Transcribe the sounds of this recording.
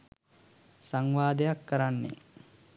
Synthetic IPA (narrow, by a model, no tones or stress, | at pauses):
saŋʋaːd̪ejakːəɾanːḛ